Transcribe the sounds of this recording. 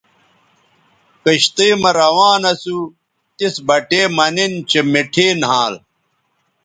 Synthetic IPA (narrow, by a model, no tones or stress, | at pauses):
kɐɕt̪eːmɐɾɐwaːnɐsu | t̪isbɐʈeːmɐnint͡ɕemiʈʰeːnɦãːl